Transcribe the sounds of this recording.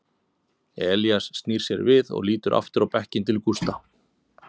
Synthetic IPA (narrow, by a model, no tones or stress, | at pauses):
ɛːljasːt̪niːɾ̥sjɛɾvɪðɔ̰ɣliːt̪ʏɾʔa̰ft̪ʏɾawpɛhcɪnt̪ʰɪlkust̪a